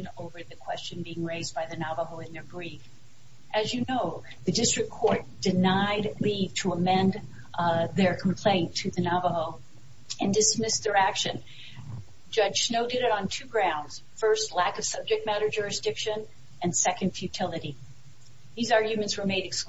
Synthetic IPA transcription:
noʊvə˞ðɨkʰw̥ɛst͡ʃɨ̃nbiɪ̃ŋɹeɪzbaɪðɨnɑvəɦoʊɨ̃nðə˞ɡɹif | ʔɨzjɨnoʊ | ðɨdɪstɹ̥ɨkʰːɔɹt̚d̥ɨnaɪdliv̥tʰəəmɛ̃n | ðə˞kʰm̩pʰl̥ẽɪ̃ntʰɨðɨnɑvəɦoʊ | ɨ̃ndɨsmɪsðə˞ækʃɨ̰̃n | d͡ʒʌd̥ʒ̥snoʊdɨɾɨɾn̩tʰʉɡɹãʊ̃ndz̥fɜ˞stˡlækʌv̥sʌb̚d͡ʒɨk̚t̚mæɾə˞d͡ʒʊɹɨsd̥ɪkʃɨ̃n | ɨ̃nsɛkɨ̃nd̥fjʉtʰɪlˠɨɾi | ðizɑɹɡjʉmɨ̃ntswə˞meɪɾɨks

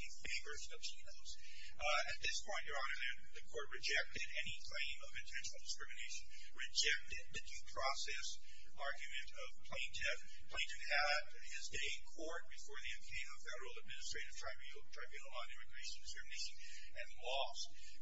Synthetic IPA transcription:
ɨ̃feɪvə˞ | ʌv̥sʰinoʊz̥ | ɨt̪̚ðɪspʰɔ̃ɪ̃nt͡ʃə˞ɑɾə˞ðɨ | ðɨkʰɔɹt̚ɹɨd͡ʒɛk̚tɨɾɛnikʰl̥ẽɪ̃mʌvɨ̃ntʰɛ̃nʃn̩l̩ˠdɨskɹ̥ɪmɨneɪʃɨ̃n | ɹɨd͡ʒɛk̚tɨd̪̚ðɨdʉpʰɹ̥ɔsɛs | ʔɑɹɡjɨmɨ̃ntʰʌv̥pʰl̥ẽɪ̃ntʰɪv | pʰl̥ẽɪ̃ntɨ̥ | ɨ | d̚ | ɪzdeɪkʰɔɹt̚b̥ɨfɔɹðiɨ̃kʰẽɪ̃noʊfɛɾə˞l̩ˠəd̚mɪ̃nɨstɹ̥eɪɾɨv̥tʰɹ̥aɪ | tʰɹ̥aɪbjʉnl̩ˠə̃nɪ̃mɨɡɹeɪʃn̩dɨskɹɪmɨneɪʃɨ̃n | ɨ̃nlɔ | s

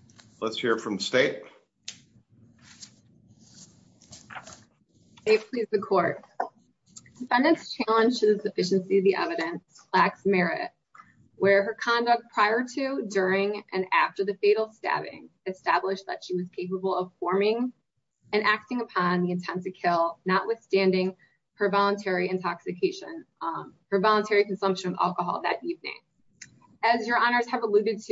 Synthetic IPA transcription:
lətshiɹfɹʌ̃msteɪt̚ | steɪt̚pʰl̥izðɨkʰɔɹt̚ | d̥ɨfɛ̃ndɨ̃nst͡ʃʰælˠə̃nd͡ʒtʰɨzðɨsɨfɪʃɨ̃n̩siɨvðiʔɛ̰vɨɾɨ̃ns | læksmɛɹɪ̰t̚ | wʔə˞ə˞kʰɑ̃ndʌk̚t̚pʰɹ̥aɪə˞ɾʉdʊɹɪ̃ŋʔɨ̰̃næ̰ftə˞ðɨfeɪɾl̩ˠstæ̰bɪ̰̃ŋ | ɨstæblɪʃ̚ðɨ̰tʃiwʌz̥kʰeɪpəbl̩ˠʌv̥fɔɹmɪ̃ŋ | ɨ̃nʔæk̚tɪ̃ŋəpʰɑ̃nðiɨ̃ntʰɛ̃nsɨkʰɪlˠnəʔwɨθstæ̃ndɪ̃ŋ | ə˞vɑlˠə̃ntʰɛɹiɨ̃ntʰɑksɨkʰeɪʃɨ̰̃nhə˞vɑlˠə̃ntʰɛɹiknsʌ̃mpʃɨ̃nʌæ̰lˠkəɦɑ̰lˠðɨ̰ɾʔivnɪ̰̃ŋ | ɨzjə˞ʔɑnə˞z̥ɨvəlʉɾɨd̚tʰ

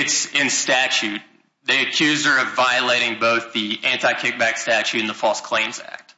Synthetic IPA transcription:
ɨtsɪ̃nstæt͡ʃʉt̪̚ | ðiɨkʰj̥ʉzdə˞ʌvaɪɨleɪɾɪ̃ŋboʊθðiʔæ̃ntaɪkʰɪk̚b̥ækstæt͡ʃʉɾɨ̃n̩ðəfɔlˠskʰl̥ẽɪ̃mzæ̰k̚t̚

